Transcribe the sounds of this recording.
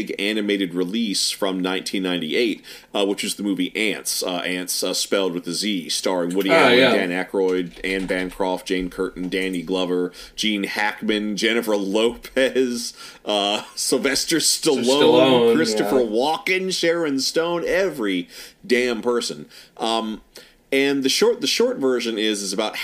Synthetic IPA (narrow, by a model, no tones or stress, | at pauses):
ɡænɨmeɪɾɨd̚ɹɨlisfɹʌ̃mnãɪ̃ntʰĩnːãɪ̃ntḭeɪt̚wət͡ʃɨzðɨmuviʔæ̃ntsʌʔæ̃ntsʌspɛlˠd̚wɨðɨzistɑɹɪ̃ŋwʊɾidæ̃nækɹɔɪdæ̃nbæ̃nkʰɹ̥ɔftd̥ʒ̥ẽɪ̃nkʰɜ˞ʔn̩dæ̃niɡlʌvə̥˞d͡ʒ̥ĩnhækmɨ̃nd͡ʒɛñɨfə˞loʊpʰɛz̥ | ʌsɨl̩ˠvɛstə˞stəlõʊ̃nnkʰɹ̥ɪstɨfə˞wɔkɨ̃nʃɛɹɨ̃nstõʊ̃nɛvɹidæ̃mpʰɜ˞sɨ̰̃nʔʌ̃m | ɨ̃nðɨʃɔɹt̪̚ðɨʃɔɹtvɜ˞ʒɨ̃nɪzɨzəɨbaʊt̚